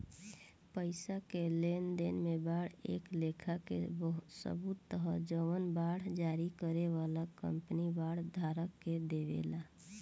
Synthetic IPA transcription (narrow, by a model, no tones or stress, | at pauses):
pəɪsakelend̪enmebaːɽ̤ḛklekʰakḛbəɦsə̰but̪ːəɦəd͡ʒəmənbaːɽ̤d͡ʒaɾikəɾeʋalakə̰mpnibaːɽ̤d̪ʱaːɾəkːed̪eʋḛla